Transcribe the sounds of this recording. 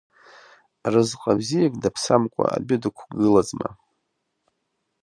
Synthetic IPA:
rɨzqʼabzijakʼdapʰsamkʷʼa̰a̰bidɨkʷʰɡɨlad͡zʼma̰

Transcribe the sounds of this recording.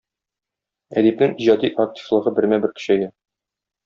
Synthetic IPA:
æ̰d̪ipnɘŋiʑɑd̪iʔɐk̚t̪ʲʰi̥flˠɤ̆ʁɤbɘ̆ɾmæbɘɾkɵ̥̆ɕæjɘ

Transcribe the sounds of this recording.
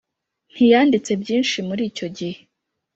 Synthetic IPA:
n̥hijaːndit͡se̞bjiːnʃimuɾiːco̞ɟihe

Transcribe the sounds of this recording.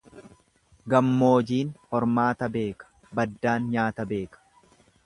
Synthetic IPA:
ɡɐmːo̞ːd͡ʒiːnhɔɾmaːt̪ɐbe̞ːkɐ̥ | bɐd̪ːaːnɲaːt̪ɐbe̞ːkɐ̥

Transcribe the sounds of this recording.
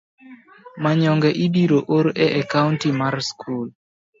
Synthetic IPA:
maɲɔŋɡɛʔidiɾoʔoɾɛʔakaʊntimarskʰul

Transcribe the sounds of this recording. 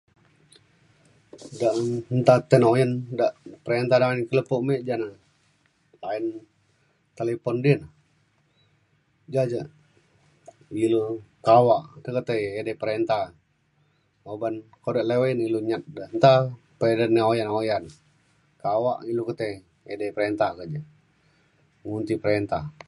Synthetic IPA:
daʔnt̪at̪ənojəndaʔpəɾent̪adaankələpoʔmeʔd͡ʒana | lain | t̪elepɔndiənə | d͡ʒad͡ʒə | ilukawaʔt̪əkət̪əjedəpəɾent̪ah | obankodaʔlewiniluɲat̪̚dənt̪a | pedənːəojanojan | kawaʔilukət̪ə | edəpəɾent̪akəd͡ʒə | ŋunt̪ipəɾent̪a

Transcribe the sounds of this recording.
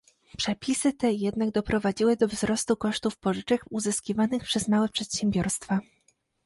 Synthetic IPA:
pʂɛpʲisɘt̪ɛjɛd̪naɡ̚d̪ɔpɾɔvad͡ʑiwɘd̪ɔvzɾɔst̪ukɔʂt̪ufpɔʐɘt͡ʂɛkuzɘskʲivanɘxpʂɛzmawɛpʂɛt̪ɕɛmbʲjɔɾst̪fa

